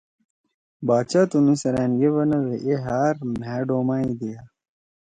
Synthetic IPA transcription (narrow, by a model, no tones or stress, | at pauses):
baːt͡ɕaːt̪unusɐɾæːnɡeβɐnɐweʔeɦaːɾmæːɖoːmaːid̪ija